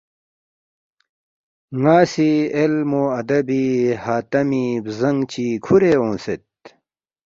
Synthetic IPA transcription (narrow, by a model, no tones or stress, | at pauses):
ŋaːsielmoːɐd̪ɐbihaːt̪ɐmibzɐŋɡt͡ɕʰiːkʰuɾeːõːset̪̚